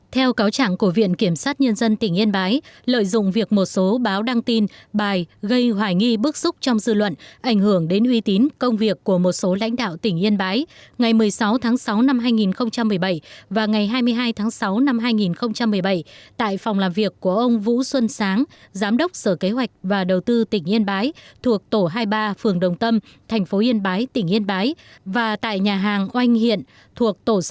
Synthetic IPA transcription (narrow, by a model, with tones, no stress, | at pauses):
t̪ʰɛ˧wkaː˨˦wt͡ɕa̰ː˧˨ŋku˧˩vḭ˧˨ənki˧˩əmsaː˦˥t̚ɲə˧nzə˧nt̪ï˧˩ŋ̟ʔi˧ənɓaː˨˦jlə̰ː˧˨jzʊ̰˧˨ŋ͡mvi˨˩ək̚mo˨˩t̚so˨˦ɓaː˨˦wɗa˧ŋt̪i˧nɓaː˨˩jɣə˧jhwaː˧˩jŋi˧ɓɨ˦˥k̚z̥ʊ˦˥k͡p̚t͡ɕɔ˧wŋ͡mzɨ˧lwə̰˧˨nʔa˧˩jŋ̟hɨ˧˩əŋɗe˨˦nʔwi˨˦t̪i˨˦nkə˧wŋ͡mvi˨˩əkːu˧˩əmo˨˩t̚so˨˦la̰˧˥jŋ̟ɗa̰ː˧˨wt̪ï˧˩ŋ̟ʔi˧ənɓaː˨˦jŋa˨˩jmɨ˨˩əjsa˨˦wt̪ʰaː˨˦ŋsa˨˦wna˧mɦaː˧jŋi˨˩nxə˧wŋ͡mt͡ɕa˧mːɨ˨˩əjɓə˧˩jvaː˨˩ŋa˨˩jɦaː˧jmɨ˧əjɦaː˧jt̪ʰaː˨˦ŋsa˨˦wna˧mɦaː˧jŋi˨˩nxə˧wŋ͡mt͡ɕa˧mːɨ˨˩əjɓə˧˩jt̪a̰ː˧˨jfɔ˨˩wŋ͡mlaː˨˩mvi˨˩əkːu˧˩əʔə˧wŋ͡mvṵ˧˥swə˧nsaː˨˦ŋzaː˨˦mɗə˦˥wk͡p̚səː˧˩ke˨˦ɦwa˨˩jk̟̚vaː˨˩ɗə˨˩wt̪ɨ˧t̪ï˧˩ŋ̟ʔi˧ənɓaː˨˦jt̪ʰu˨˩ək̚t̪o˧˩ɦaː˧jɓaː˧fɨ˨˩əŋɗə˨˩wŋ͡mt̪ə˧mt̪ʰɛ˨˩jŋ̟fo˨˦ʔi˧ənɓaː˨˦jt̪ï˧˩ŋ̟ʔi˧ənɓaː˨˦jvaː˨˩t̪a̰ː˧˨jɲaː˨˩ɦaː˨˩ŋʔwa˧jŋ̟hḭ˧˨ən | t̪ʰu˨˩ək̚t̪o˧˩